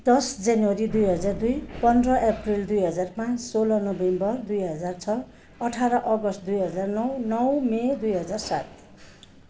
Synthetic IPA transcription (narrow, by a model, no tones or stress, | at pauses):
d̪̥ʌsd͡zanwʌɾid̪ujɦʌd͡zard̪ujpʌnd̪rʌʔeprild̪ujɦʌd͡zarmasolʌnʌbembʌrd̪ujɦʌd͡zart͡sʰʌː | ʈʰaɾʌʔʌɡʌst̪d̪ujɦʌd͡zarnʌwnʌwmed̪ujɦʌd͡zarsa̰t̪̚